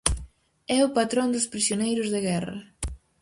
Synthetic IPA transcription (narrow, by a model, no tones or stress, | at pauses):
ɛʊpat̪ɾõnd̪ʊspɾisjonejɾʊzðɪɣɛrɐ̰